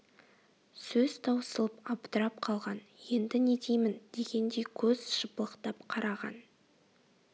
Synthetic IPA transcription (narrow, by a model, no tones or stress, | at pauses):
sɵz̥t̪ʰɑwsəlˠəpɑpt̪əɾɑp̚qʰɑlˠʁɑnje̞nd̪ɪne̞d̪ijmɪnd̪̥e̞ɡʲe̞nd̪e̞kʲʰɵz̥ʃəpəlˠəqt̪ɑpqʰɑɾɑʁɑ̰n